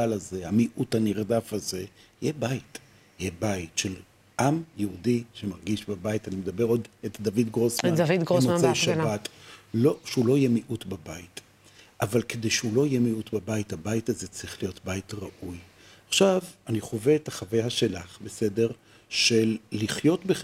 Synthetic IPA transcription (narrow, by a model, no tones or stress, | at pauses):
alaze̞amiʔutaniʁdafaze̞ | jebait | jebajitʃel | ʔamjeudiʃemaʁɡiʃbabajitanimed̪abeʁo̞detdavidɡʁosmanavid̪ɡomazeʃabatloʃulo̞ijemiʔutbabait | ʔavalkedejʃeulo̞ijemiutbabajithabajitazet͡sʁiχlijo̞tbajtʁaʔuj | aχʃavaniχo̞veetaχavajaʃelaχbese̞de̞ʁ | ʃelːiχjo̞tbe